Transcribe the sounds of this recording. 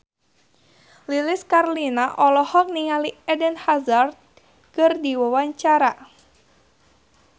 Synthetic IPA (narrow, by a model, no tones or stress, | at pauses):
lilɪskarlinaʔɔlɔhɔk̚niŋaliɛdənhazart̪̚ | kɨrdiwəwaɲt͡ʃaɾa